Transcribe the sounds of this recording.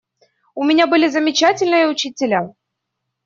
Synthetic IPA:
ʊmʲɪnʲabɨlʲɪzəmʲɪt͡ɕatʲɪlʲnɨjəʊt͡ɕitʲɪlʲa

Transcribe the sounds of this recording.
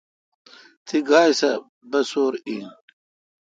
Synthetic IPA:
t̪ʰiɡaːjsɐ | bɐsoːɾi

